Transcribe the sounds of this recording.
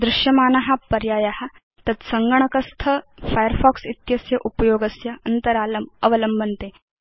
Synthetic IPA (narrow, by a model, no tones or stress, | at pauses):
d̪ɾuʃjɐmaːnɐɦapɐɾjaːjaɦa | t̪ɐt̪sɐŋɡəɳ̃ɐkɐst̪ʰɐfajəɾfɔksit̪jɐsjɐʔupɐjoːɡɐsjɐɐnt̪əɾaːlɐmɐʋələmbʱənt̪e